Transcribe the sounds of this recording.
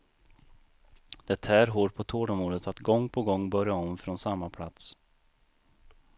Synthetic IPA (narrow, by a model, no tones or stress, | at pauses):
d̪̥ɛt̪ʰːææɾɦoːʈ̚pʰɔt̪ʰoːɖɔmuːd̪ət̪at̪ɡɔŋːpʰɔɡɔŋːbœɾjaɔmfɾɔnsamːapʰla̰t̪s